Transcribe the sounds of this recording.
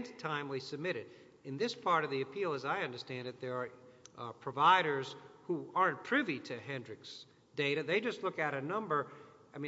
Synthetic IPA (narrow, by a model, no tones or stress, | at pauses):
ntʰãɪ̃mlisɨb̚mɪɾɨɾ | ɨ̃nðɪspʰɑɹɾʌvðiɨpʰilˠəzaɪʌ̃ndə˞stæ̃ndɨt̪̚ðə˞ | pʰɹ̥ɨvaɪɾə˞z̥huɑɹɨ̃npʰɹ̥ɪviɾɨɦɛ̃ndɹɨks | d̥eɪɾɨðeɪd͡ʒʌstˡlʊkɨɾɨnʌ̃mbə˞ | aɪmĩ